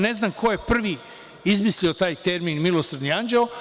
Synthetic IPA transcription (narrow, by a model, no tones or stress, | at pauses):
ne̞znaːmkʰo̞je̞pr̩ʋiː | izmislio̞t̪aːjt̪eɾmiːnmilˠosaɾd̪niand͡ʒelo